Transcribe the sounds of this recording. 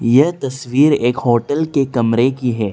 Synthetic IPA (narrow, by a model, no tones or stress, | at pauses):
jɐɦt̪ɐsʋiːɾeːkhoːʈəlkekɐmɾekiɦɛː